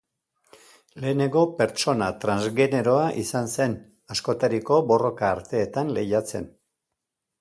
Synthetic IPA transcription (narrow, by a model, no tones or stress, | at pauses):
le̞ːne̞ŋɡo̞pe̞ɾt͡ʃo̞nat̪ɾanzɣe̞ne̞ɾo̞aʔisanse̞n | asko̞t̪aɾiko̞bo̞ro̞kaːɾt̪e̞ːt̪anle̞̰jat͡se̞̰n